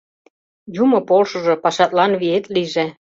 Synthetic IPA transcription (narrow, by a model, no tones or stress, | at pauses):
jumɤ̆polʃɤ̆ʒĕpɑʃɑt̪lɑnβiet̪liʒe